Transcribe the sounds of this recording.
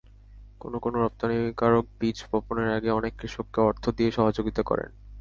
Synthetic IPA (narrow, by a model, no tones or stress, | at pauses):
konokonoɾɔp̚t̪anikaɾok̚bid͡ʑpɔponeɾaɡeɔnekːɾiʃokːeɔɾt̪ʰod̪ieʃɔɦad͡ʑoɡit̪akɔ̰ɾḛn